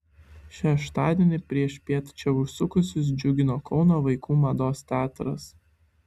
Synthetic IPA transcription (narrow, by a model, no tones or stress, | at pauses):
ʃʲɛʃt̪ɑːd̪ʲeɛnʲɪpʲɾʲiɛʃʲpʲiɛt̪t͡ʃʲɛʋʊʃsʊkʊsʲʊs̬d͡ʒʲʊɡʲɪnoːkɒʊnoːʋɐɪkuːmɐd̪oːst̪ʲæːt̪ɾɐ̰s